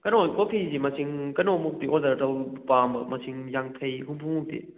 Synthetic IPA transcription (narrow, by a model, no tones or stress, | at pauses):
kɐnonkopʰizimɐsiŋkɐnomuk̚tiʔozaɾtɐwpambɐmɐsiŋjaŋtʰɐjɦupʰumuk̚tḭ